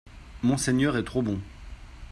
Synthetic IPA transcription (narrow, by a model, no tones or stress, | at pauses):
mɔ̃sɛɲœʁɛt̪χobɔ̃